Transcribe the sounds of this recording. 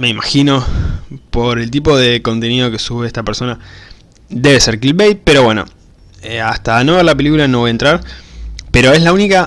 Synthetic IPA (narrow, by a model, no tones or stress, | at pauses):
me̞imaxino̞po̞ɾe̞lt̪̬ipo̞ð̞e̞ko̞nt̪e̞nið̞o̞ke̞suβeest̪apeɾso̞na | d̪e̞βe̞seɾkilβejt̪̚pe̞ɾo̞βwe̞no̰ | east̪ano̞βeɾlape̞likulano̞βo̞jaent̪ɾaɾpeɾo̞e̞slaunika